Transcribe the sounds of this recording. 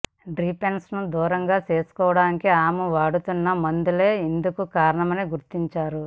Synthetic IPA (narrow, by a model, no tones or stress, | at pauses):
ɖɾiːpensnud̪uːɾɐŋɡaːt͡ʃe̞ːsu̥kɔːʋɐɽaːnikiaːmuʋaːɽut̪unːɐmɐnd̪ule̞ːend̪ukukaːɾɐɳɐmɐniɡuɾt̪iɲt͡ʃaːɾu